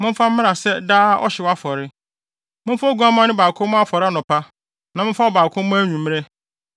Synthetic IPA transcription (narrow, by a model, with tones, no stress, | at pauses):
mɪ̃˦m˦fa˦m̩˦mɪ̃˦a˨sɛ˦daː˦ʔɔ̰˦ɕɛ˨wa˦fɔ˨ɾɪ˦ | mɪ̃˦m˦fa˦ɡu˨˦ã˦mã˦nɪ̃˦baː˨kʰʊ̃˦m̃˦a˦fɔ˨ɾɪ˦a˦nʊ̃˨pʰa˦ | nã˨mɪ̃˦fa˦ɔ˨baː˨kʰʊ̃˦m˦ãː˦ɲũ˨mɪ̃˦e˦